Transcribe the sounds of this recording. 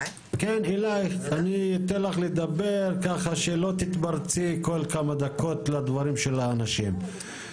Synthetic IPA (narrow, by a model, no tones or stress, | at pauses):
kenilajaniit̪elaχled̪abeʁkaχaʃelo̞t̪it̪baʁt͡siko̞lkamad̪ako̞t̪lad̪vaʁimʃelaːnaʃim